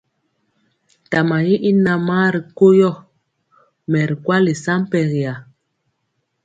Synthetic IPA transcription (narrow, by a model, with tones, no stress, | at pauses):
ta˨ma˨ji˦ʔi˦na˨ma˦ɾi˨ko˦jɔ˦˨ | mɛ˨ɾi˨kwa˦li˨sa˦m˦pɛ˨ɣi˨a˨